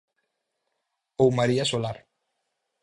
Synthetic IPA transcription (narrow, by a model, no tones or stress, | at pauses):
owmaɾiasolaɾ